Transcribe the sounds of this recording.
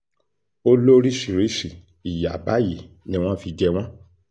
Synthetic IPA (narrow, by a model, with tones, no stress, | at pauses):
o˦lo˦ɾi˦ʃi˨ɾi˨˦ʃi˨ | i˨ja˨ba˨˦ji˨ | nĩ˧w̃ɔ̃˦fi˧˦d͡ʒɛ˧w̃ɔ̃˦